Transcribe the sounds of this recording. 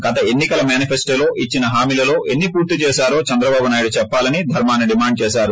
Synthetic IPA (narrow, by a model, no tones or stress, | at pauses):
ɡɐt̪ɐe̞nːikɐlɐmjaːnipʰesʈoːlo̞ːʔit͡ʃːinɐɦaːmiːlɐlo̞ːʔe̞nːipuːɾt̪it͡ʃɛːʃaːɾo̞ːt͡ʃɐnd̪ɾɐbaːbunaːjɽut͡ʃɛpːaːlɐnid̪ʱɐɾmaːnːiɖimaːɳɖ̚t͡ʃɛːʃaːɾu